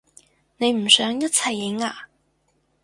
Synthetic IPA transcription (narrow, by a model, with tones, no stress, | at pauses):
ne˨˥ɪm̩˨˩sœ˨˥ŋjɐ˥t͡sʰa˨˩ɪɪ˨˥ŋa˧˩